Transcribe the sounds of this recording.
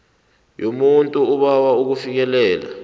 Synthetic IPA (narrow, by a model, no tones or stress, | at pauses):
jomuntʼuːɓawauk̬ufik̬ɛlɛːla̰